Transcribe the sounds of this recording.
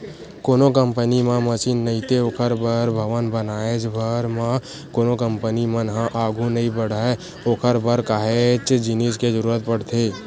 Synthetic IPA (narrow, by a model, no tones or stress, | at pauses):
koːnokəmpənimãməsiːnːəĩt̪ʰeokʰəɾbəɾbʱəʋənbənaːed͡ʒbʱəɾmã | koːnokəmpənimənɦãʔaːɡʱũnəɦĩbəɽaːe | oːkʰəɾbəɾkaːɦet͡ʃd͡ʒinisked͡ʒəɾuːɾət̪̚pəɽ̤t̪ʰeː